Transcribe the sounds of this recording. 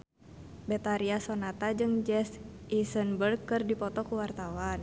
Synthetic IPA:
bɛt̪aɾiasɔnat̪ad͡ʒɨŋd͡ʒɛsʔisənbərɡɨrdipɔt̪ɔkuwart̪awan

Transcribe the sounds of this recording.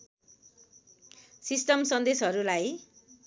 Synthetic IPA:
sisʈʌmsʌnd̪esɦʌɾulaj

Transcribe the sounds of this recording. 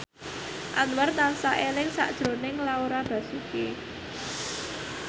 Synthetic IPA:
ʔanwart̪ansaʔelɪŋsa̰ʔd̥ʒ̥ɾo̤nɪŋlauɾab̥ä̤suke

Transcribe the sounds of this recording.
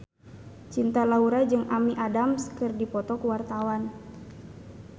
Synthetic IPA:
t͡ʃint̪alauɾad͡ʒɨŋʔamiʔadamskɨrdipɔt̪ɔkəwart̪awan

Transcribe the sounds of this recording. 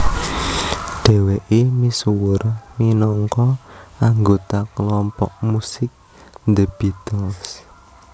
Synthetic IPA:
ɖ̥e̤weʔemisuwʊrminɔŋkɔʔaŋɡot̪akəlɔmpɔʔ̚musɪk̚ | nd̪əb̥it̪ɔls

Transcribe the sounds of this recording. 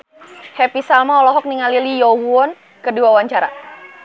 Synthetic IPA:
hɛpisalmaɔlɔɦɔk̚niŋalilijɔwuɔn | kəduawaɲt͡ʃaɾa̰

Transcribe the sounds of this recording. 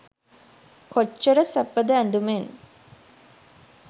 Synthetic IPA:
kot͡ʃːəɾəsæpːəd̪əænd̪umen

